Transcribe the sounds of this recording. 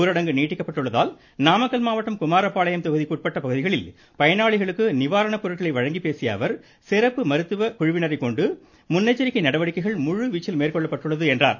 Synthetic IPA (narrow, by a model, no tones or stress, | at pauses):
ɾɐɽɐŋɡɯniːʈːɪkːɐpːɐʈːɯɭːɐða̰ːl | naːmɐkːɐlmaːʋɐʈːɐmkʊmaːɾɐpːaːɭɐjɐmt̪ɐɣɯðikuːʈ̚pɐʈːɐpɐɣɯðɪɣɐɭɪl | pɐjɐnaːɭɪɣɐɭɯkːɯnɪʋaːɾɐɳɐpːʊɾɐʈɣɐɭɐɪʋɐɻɐŋɡipeːsɪja̰ːʋɐɾ | sɪɾɐpːɯmɐɾɯt̪ːɯʋɐkʊɻɪʋɪnɐɾɐɪkɔɳɖɯ | mʊnːɐɪt͡ʃːɐɾɪkːɐɪnɐɽɐʋɐɽɪkːɐɪɣɐɭmʊɻɯʋit͡ʃːɪlmeːrkɔɭːɐpːɐʈːɯɭːɐðɯɛndra̰ːɾ